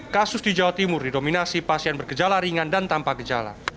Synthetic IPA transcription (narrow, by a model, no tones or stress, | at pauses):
kasʊsdid͡ʒawat̪imʊrdidominasipasianbərɡəd͡ʒalaɾiŋandant̪ampaɡəd͡ʒa̰la̰